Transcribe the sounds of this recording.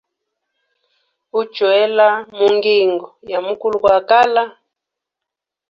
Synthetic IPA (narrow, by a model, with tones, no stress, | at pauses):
u̥˦t͡ʃwɛ˦la˦mu˨ŋɡi˨ŋɡɔ˨ja˨mu˦ku˦lu˨kwa˨ka˦la˦